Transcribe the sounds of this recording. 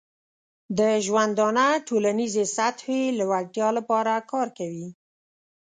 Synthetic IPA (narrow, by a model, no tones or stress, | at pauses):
d̪əʒwand̪ɑnaʈolanizesat̪welawaʈjɑlapɑɾakɑɾkawi